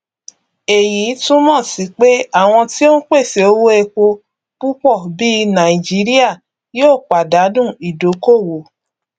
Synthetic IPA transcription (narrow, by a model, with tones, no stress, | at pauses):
e˨ji˨˦tũ˦mɔ̃˦˨si˨˦k͡pe˦a˦˨w̃ɔ̃˧ti˦o˦k͡pe˦˨se˨˦o˧˦wo˦e˧ko˧ | pu˦k͡pɔ˦˨bi˦nã˨i˨d͡ʒi˨˦ɾi˦a˦˨ | joː˦˨k͡pa˨da˨˦dũ˦˨i˨do˨˦ko˦˨wo˨